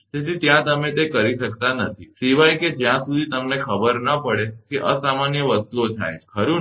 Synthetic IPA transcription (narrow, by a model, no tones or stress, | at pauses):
d͡ʒet̪it̪jãt̪əmet̪ekəɾiʃəkt̪anət̪ʰisiʋajked͡ʒjãsud̪ʱit̪əmnekʰəbəɾnəpəɽekeʔəsamanjəʋəst̪uot͡ʃʰa̰jt͡ʃkʰəɾũ